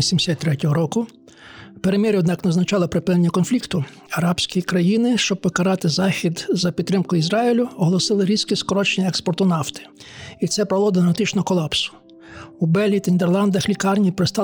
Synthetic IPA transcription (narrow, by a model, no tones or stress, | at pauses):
isʲimsʲat̚ʲt̪ːɾɛtʲɔɦɔɾɔkʊ | peɾemʲɛɾʲɔd̪nɑknɐznɐt͡ʃɑlˠɔpɾepɪnenʲːɐkɔnflʲikt̪ʊ | ɐɾɑbsʲkʲikɾɐjinɪʃt͡ʃɔb̚ːɔkɐɾɑt̪ɪzɑxʲid̪zɐpʲid̪̚ɾɪmkʊizɾɑilʲʊɔɦɔlˠɔsɪlˠɪɾʲizkɪskɔɾɔt͡ʃenʲɐɛkspɔrt̪ʊnɑft̪ɪ̥ | it̪sɛpɾɐlˠɔd̪ɐnɐt̪ɪt͡ʃnɔɦɔkɔlˠɑpsʊ̥ | ubɛlʲɦit̪ɐinʲd̪erlˠɑnd̪ɐxlʲikɑrnʲipɾest̪ɑ